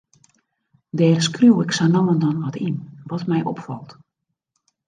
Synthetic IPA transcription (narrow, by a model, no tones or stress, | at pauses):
dɛːrskruwɪksanɔwəndɔnʋɔtinʋɔtmɛjʔɔ̰pfɔ̰lˠt